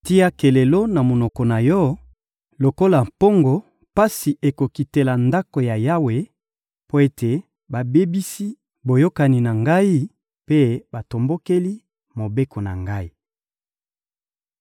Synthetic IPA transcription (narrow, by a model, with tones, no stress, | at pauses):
ti˦a˦ke˨le˨lo˦na˨mo˨nɔ˨kɔ˨na˨jɔ˦ | lo˨ko˦la˨mpo˦ŋɡo˨ | pa˦si˨ʔe˨ko˨ki˨te˨la˨nda˦ko˨ja˨ja˦we˨ | po˦e˦te˨ | ba˨be˦bi˦si˦ | bo˨jo˦ka˨ni˨na˨ŋɡa˦i˦ | pe˦ba˨to˨mbo˦ke˦li˦ | mo˨be˦ko˨na̰˨ŋɡa˦i˦